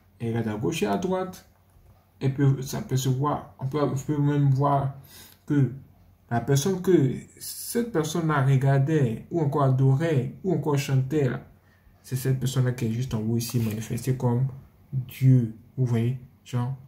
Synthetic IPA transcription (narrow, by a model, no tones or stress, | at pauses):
ɛɡad̪aɡoʃead̪ʁwat̪ | ɛpøsa̰pɛsəvwaʁɔ̃pøpømɛ̃mvwaʁkə | lapɛʁsɔnkəsɛt̪̚pɛʁsɔnlaʁəɡaʁd̪ɛuɑ̃kɔʁad̪ɔʁɛuɑ̃kɔʁʃɑ̃t̪ɛla̰ | sɛsɛt̪̚pɛʁsɔnlakiɛʒyst̪ɑ̃vɔisimanifɛst̪ekɔm | d̪jøuvwaje | ʒ̥ɑ̃